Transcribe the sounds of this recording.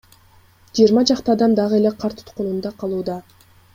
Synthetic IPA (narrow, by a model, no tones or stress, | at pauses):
d͡ʒijːɾmɑd͡ʒɑqt̪ɑːd̪ɑmd̪ɑʁɯe̞leqʰɑɾt̪ʰu̥t̪qunund̪ɑqʰɑlˠuːd̪ɑ